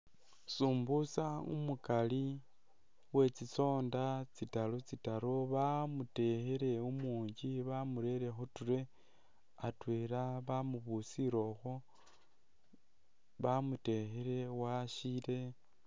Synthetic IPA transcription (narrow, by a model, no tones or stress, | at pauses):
suːmbusaṵmukali | we̞t͡sit͡so̞ːndat͡sitalot͡sitaɾoβamute̞xeɾe̞umuːɲɟiβamuɾe̞ɾe̞xotuɾe̞ | atweːɾaβamuβusiɾo̞xo | βamute̞xeɾe̞waʃile̞